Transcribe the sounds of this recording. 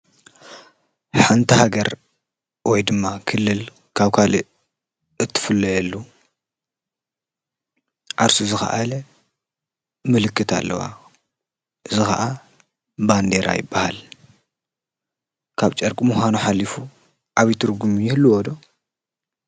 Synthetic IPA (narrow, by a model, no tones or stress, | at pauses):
ħant̪ʰɨhaɡɐɾ | wɔjd̪ɨmːakʰɨlːɨl | kʰaβkʰalɨ | ɨt̪ʰːɨ̥fɨlːɐjɛlːu | ʕaɾsuzɨxɐ̰ʔal | mɨlɨkːɨt̪ʰa̰lːɐ̰wa̰ | ʔɨzɨxɐ̰ʔa | band̪eɾa̰jɪ̰bːahal | kʰaβt͡ʃʼɐɾkʼimuxʷanuħalifu | ʔaβit̪ʰɨɾɡumjɪhlːuwɔd̪o